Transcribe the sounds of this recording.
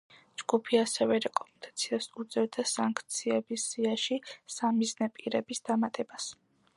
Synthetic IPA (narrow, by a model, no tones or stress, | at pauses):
d͡ʒɡ̥upʰiasɛvɛɾɛkʼɔmɛnd̪ʼat̪sʰiasud̪zɛɾd̪asaŋkʰt̪sʰiɛbisːiaʃisamiznɛpʼiɾɛbisd̪̥amat̪ʼɛbas